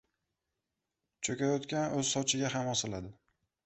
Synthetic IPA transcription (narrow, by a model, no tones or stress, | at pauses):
t͡ʃʰɵkʲajɒt̪kʲanɵz̥sɒwt͡ʃʰɪɡʲaɦamɒsɪlad̪ɪ